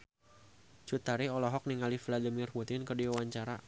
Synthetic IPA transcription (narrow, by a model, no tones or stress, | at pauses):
t͡ʃut̪aɾiɔlɔɦɔk̚niŋalifiladimirput̪ɪnkərdiwawaɲt͡ʃaɾa